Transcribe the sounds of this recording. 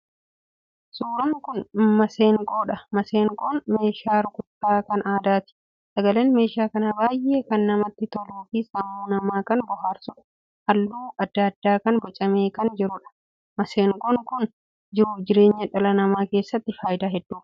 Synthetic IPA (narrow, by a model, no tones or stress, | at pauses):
suːɾɐŋkʊnmɐse̞ːŋkʼo̞ːᶑɐmɐseːŋkʼoːnme̞ːʃaːɾʊkʼʊt̪ːaːkɐnʔaːd̪aːt̪ɪ̥ | sɐɡɐle̞ːnme̞ːʃaːkɐnɐbaːjʔeːkɐnːɐmɐt̪ːɪt̪ɔluːfisɐmːuːnɐmaːkɐnbɔɦaːɾsʊᶑɐ | hɐlːuːʔɐd̪ːɐd̪ːaːkɐnbɔt͡ʃʼɐme̞ːkɐnd͡ʒɪɾʊᶑɐ̥ | mɐseːŋkʼoŋkʊn | d͡ʒɪɾʊd͡ʒɪɾe̞ːɲːɐᶑɐlɐnɐmaːke̞ːsːɐt̪ːɪfaːjɪd̪aːɦɛd̪ːuː